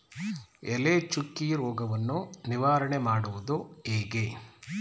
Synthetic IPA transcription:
ɛlet͡ʃukːiɾoːɡɐʋɐnːuniʋaːɾɐɳemaːɽuʋud̪ueːɡe

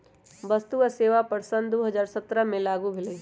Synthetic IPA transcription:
bəst̪uəseːʋapəɾsə̃nd̪d̪oːɦəzaːɾsət̪ɾəmẽlaːɡubʱɪlə

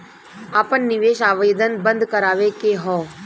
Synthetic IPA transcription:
aːpənːɪʋeːʃaːʋəjəd̪ənbə̃nd̪ʱkəɾaːʋekeɦɔː

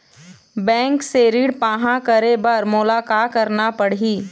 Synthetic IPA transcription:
bɛ̃ːŋkseɾiːɽpaːɦãkəɾebɐɾmʊlaːkaːkəɾnapɐɽ̤iː

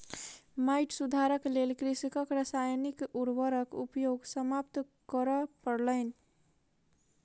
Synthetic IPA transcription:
maɪʈsud̪ʱaɾəklelkɾisikəkɾəsajnikuɾbəɾəkṵpjoɡsəmap̚t̪ | kəɾəpəɽləɪni

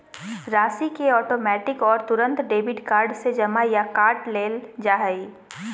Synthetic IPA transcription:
ɾaːsikeɔːʈoːmɛːʈɪkɔːɾt̪ʊɾə̃nt̪ɖeːbɪʈkaːɾɖsed͡ʒɐmajakaːɾʈleːld͡ʒaːɦəiː

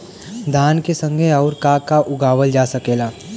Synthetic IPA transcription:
d̪ʱaːnkesə̃ŋɡʱeɔʊɾkakaʔʊɡaːʋəld͡ʒaːsəkeːlaː

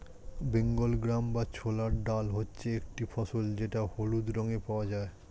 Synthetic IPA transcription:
beŋɡolɡɾambat͡ɕʰolaɾɖalɦotːɕʰeek̚ʈifʰɔsold͡ʑeʈaholud̪ɾɔŋepaad͡ʑae

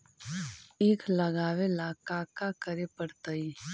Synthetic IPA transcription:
eːkʰləɡaːʋelaːkaːkakəɾepəɽt̪əi

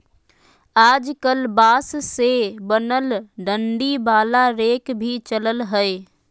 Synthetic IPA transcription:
aːd͡ʒkəlbaːssebənəlɖəɳɖibaːlaɾeːkbʱit͡ʃələlɦəe

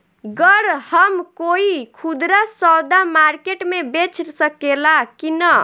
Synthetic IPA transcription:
ɡəɾhəmkoikʰud̪ɾasɔwd̪amaɾkeʈmebet͡ʃʰɾsəkelakinə

